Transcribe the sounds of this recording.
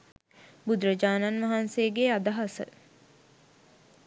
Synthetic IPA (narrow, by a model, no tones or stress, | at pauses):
bud̪ɾəd͡ʒaːnanʋɐɦanseːɡead̪aɦasə̰